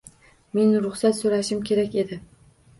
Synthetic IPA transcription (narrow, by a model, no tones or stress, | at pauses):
me̞nɾʊχsat̪soɾaʃɪmkʲʰe̞ɾakʲe̞d̪ɪ